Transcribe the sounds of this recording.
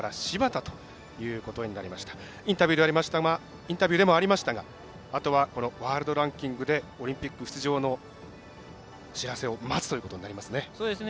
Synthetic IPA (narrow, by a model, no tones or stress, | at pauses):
ɾaɕibat̪at̪o̞̥ | jɯ̟ːko̞t̪o̞ɲ̟inaɾʲimaɕi̥t̪ḁ | ĩnt̪abʲiɯːd̪e̞aɾʲimaɕi̥t̪aa | ĩnt̪abʲɨːd̪e̞mo̞aɾʲimaɕi̥t̪aɡa | at̪o̞βako̞no̞βaːɾɯ̟d̪o̞ɾãŋkʲĩŋɡɯ̟d̪e̞o̞ɾʲĩmpʲikːɯ̟ɸt͡sɨʑo̞ːno̞ | ɕiɾase̞o̞mat͡sɨ̥t̪o̞iɯ̟kot̪oɲ̟inaɾʲimasɨne̞soːd̪esn